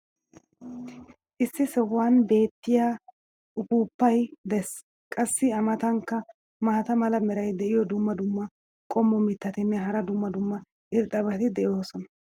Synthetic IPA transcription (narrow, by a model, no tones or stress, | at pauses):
ʔɪsːɪsɛwːaːnbe̞ːt̪ːɪjaː | ʊkuːpːɐjd̪ɛs | kʼɐsːɪɐmɐt̪ɐŋkːɐ | mɐaːt̪ɐmɐlɐmɛɾɐjd̪ɛʔɪjɔd̪ʊmːɐd̪ʊmːɐ | kʼɔmːɔmɪt̪ːɐt̪ɛnːɛɦɐɾɐd̪ʊmːɐd̪ʊmːɐ | ʔɪɾt̪ʼɐbɐt̪ɪd̪ɛʔjo̞ːsɔnɐ